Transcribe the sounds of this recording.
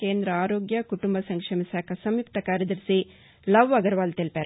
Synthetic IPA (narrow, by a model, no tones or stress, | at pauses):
keːnd̪ɾɐaːɾoːɡjɐkuʈumbɐsɐŋkʂɐmisaːkʰɐsɐmjuk̚t̪ɐkaːɾjɐd̪ɐɾsi | lɐʋʋɐɡɐɾʋaːlt̪ilpeːɾ